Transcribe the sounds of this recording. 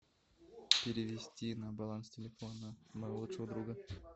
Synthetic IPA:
pʲeɾʲɪʋʲesʲtʲinabalˠanstʲelʲefonəmajlˠut̪ʂəud̪ɾuɡə

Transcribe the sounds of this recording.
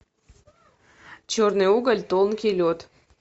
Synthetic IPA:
t͡ɕornɨuɡəlʲt̪olˠnkʲelʲot̪

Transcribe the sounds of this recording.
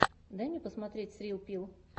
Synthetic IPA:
d̪ɛnʲipɐsmɐt̪ʲɾʲeːt̪ʲsʲɾʲiːlˠpʲilˠ

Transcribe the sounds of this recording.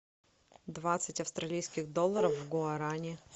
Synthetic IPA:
d̪vat̪sɨtʲɐfst̪ɾɐlʲijskʲɪɣd̪olˠːəɾəfvɡʊɐɾanʲɪ

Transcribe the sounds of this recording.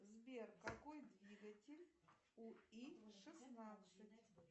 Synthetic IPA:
zbʲerkakojd̪vʲiɡɐtʲelʲ | uiʂɨsnat̪sɨtʲ

